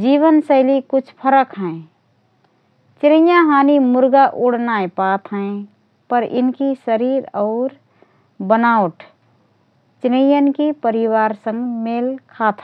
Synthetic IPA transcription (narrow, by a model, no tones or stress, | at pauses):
d͡ʒiːʋənsəɪlikʊt͡ʃʰpʰəɾəkɦɛ̃ | t͡ʃɾə̃jãɦaːnimʊɾɡaʔʊɽ̤naepaːt̪ʰɦɛ̃ | pəɾɪ̰nkisəɾiːɾɔːɾ | bənaːʊʈ | t͡ʃɾəjənkipəɾɪwaːɾsə̃ŋɡmeːlkʰaːt̪ʰ